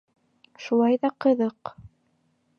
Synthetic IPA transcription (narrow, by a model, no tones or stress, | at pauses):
ʃulˠɑjðɑqɤ̆ðɤq